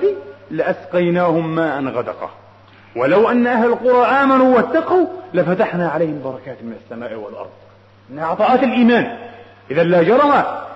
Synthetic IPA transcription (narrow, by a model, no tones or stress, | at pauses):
ilɪʔasqɑjnaːhʊmːaːʔanɣad̪ɑ̰qɑ̰ | wɪlawʔanːʔahlalqʊɾˤɑʔaːmanuwat̪ːɑqalɪfat̪aħnaʕalajhɪmbɑɾˤɑkaːt̪mɪnasːamaːʔwɪ̰lʔɑ̰ɾˤd̪ˤ | ʔɪnːʕɑt̪ˤɑːʔɑːt̪ɪlʔiːmaːn | ʔɪðanlad͡ʒɑɾˤɑma